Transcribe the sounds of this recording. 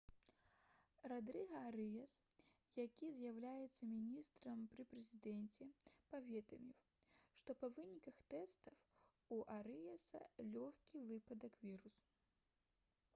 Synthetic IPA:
rad̪ɾɨɣɐaɾɨjɛs | jakʲizjawlʲajɛt̪sːɐmʲinʲist̪ɾɐmpɾɨpɾɛzʲid̪ɛnt͡sʲɛpavʲɛd̪ɐ̰mʲiwʂt̪ɔpɐvɨnʲikɐxt̪ɛst̪ɐw | uʔaɾɨjɐsɐ̰lʲɔxʲkʲivɨpɐd̪ɐkvʲiɾusu̥

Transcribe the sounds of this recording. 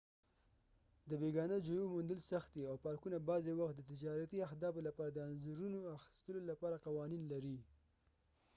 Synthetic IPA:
d̪əbeɡɑnəd͡ʒojomund̪əlsaxt̪̚d̪iawpɑɾkunabɑzewaxt̪̚d̪ət̪ɪd͡ʒɑɾat̪iahd̪ɑbolapɑɾad̪əanzaɾunoaxɪ̥st̪əlolapɑɾaqɑwɑninlaɾi

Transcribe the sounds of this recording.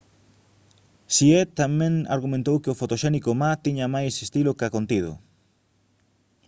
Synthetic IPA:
siet̪amɛ̃ŋa̰ɾɣumẽnt̪owkɪʊfot̪oʃɛnikomat̪iɲamajsest̪ilʊkakont̪ið̞ʊ̰

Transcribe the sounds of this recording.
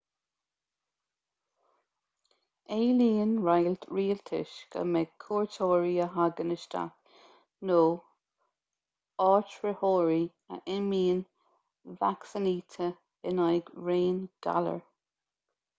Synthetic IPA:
eːliːnɹajlt̪ʰɹiːlt̪ʰɪ̰ʃɡ̥ə̰mɛkʰuːɹtʰoːɹiəɦaɡənəʃt̪a̰k | noː | ɑːtɹəhoːɹi | ə̰ʔɪmiːn | vaksəniːt̪ʰə | ɪnajɡɹeːnd̥a̰lə̰ɹ

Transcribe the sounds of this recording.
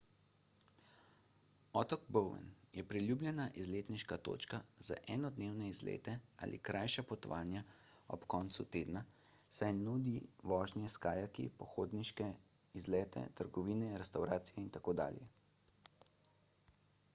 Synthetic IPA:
ɔːt̪ɔɡbɔwɛ̰njɛpɾiljuːblʲjɛnaʔizleːt̪niʃkat̪o̰ːt͡ʃkaza̰ʔɛːnɔd̪neːwnɛizlḛːt̪ɛa̰ːlʔḭkɾʔajʃapɔt̪ɔʋaːnjaɔ̰pkɔːnt̪sut̪eːd̪na | sajnuːd̪iʋɔːʒnjɛskaːjakḭpɔxoːd̪niʃkɛ | izlɛːt̪ɛ̰t̪əɾɡɔʋiːnɛɾɛst̪awɾaːt̪sijɛint̪akoːd̪a̰ːljɛ

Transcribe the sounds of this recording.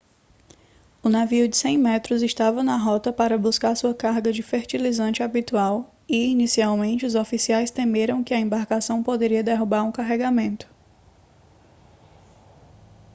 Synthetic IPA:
ʊnaviʊd͡ʒɪsẽj̃mɛt̪ɾʊzɪʃt̪avɐnɐɦɔt̪ɐpaɾɐbuskaɾsuɐkaɾɡɐd͡ʒɪfeɾt͡ʃilizɐ̃nt͡ʃɪabit̪uaw | iinisiawmẽnt͡ʃɪʊzofisiajst̪ẽmeɾɐ̃w̃kɪɐẽmbaɾkasɐ̃w̃pod̪eɾiɐd̪eɦubaɾũkaɦɛɡamẽnt̪ʊ̥

